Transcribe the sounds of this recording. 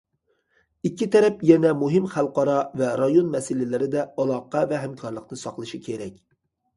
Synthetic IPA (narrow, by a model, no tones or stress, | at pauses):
ikʲːit̪ʰɛɾɛpjɛnɛmuɦɪmχælˠqɑɾɑvɛɾɑjonmɛsɪlɪlɪɾɪd̪ɛɑlˠɑqɑvɛɦæmkʰɑɾlˠəqnɨsɑqlˠɨʃikʲʰeɾɛkʲ